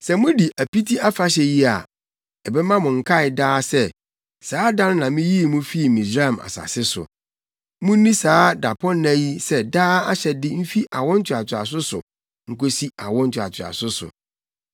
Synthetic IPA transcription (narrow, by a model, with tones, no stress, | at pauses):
sɛ˨mʊ̃˦di˨ʔæ˨pi˦tʰi˦a˦fa˦ɕ̬ɛ˨ji˦a̰˨ | ɛ˨bɛ˦mã˦mʊ̃˨ŋ̩˨kʰa˦ɪ˨daː˦sɛ˦ | saː˨˦dã˦n˦nã˨mɪ̃˦ji˦˨mũ˦fi˦˨mĩ˨d͡ʑɾa˦˨ma̰˨sa̰˨sɪ˦sʊ̰˨ | mʊ̃˦nĩ˦saː˨˦da˨pʰɔ˦nːæ˦ji˦sɛ˦daː˦a˦ɕɛ˨dɪ˦m̩˦fi˦ʔa˨wɔ̃˦n̩˦t͡ɕʰɪ˨a˨t͡ɕʰɪ˨a̰˨s̬ʊ˦sʊ̰˨ | ŋ̩˨ko˦si˦a˨wɔ̃˦n̩˦t͡ɕʰɪ˨a̰˨t͡ɕʰɪ˨a̰˨sʊ˦sʊ̰˨